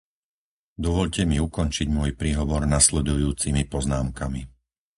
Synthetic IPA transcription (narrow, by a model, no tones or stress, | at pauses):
d̪ɔʋɔʎcɛmiukɔnt͡ʃiɟmʊɔjpɾiːɦɔʋɔɾnaslɛd̪ujuːt͡simipɔznaːmkami